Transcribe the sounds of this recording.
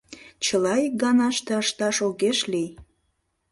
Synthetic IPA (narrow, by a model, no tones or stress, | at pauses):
t͡ɕəlɑjɡɑnɑʃt̪eɑʃt̪ɑʃoɣeʃlij